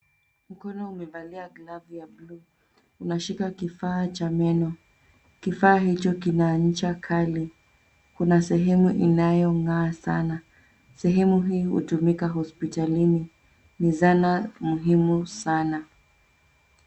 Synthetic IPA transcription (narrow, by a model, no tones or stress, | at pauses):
m̩kɔnɔumɛvaliaɡlavujabluː | unaʃikakifaːt͡ʃamɛnɔ | kifaːhit͡ʃɔkinaɲ̩t͡ʃakʰali | kunasɛɦɛmuʔinajɔŋɡaːsana | sɛɦɛmuɦiːhṵtumikaɦɔspitalini | nizanamuɦimusana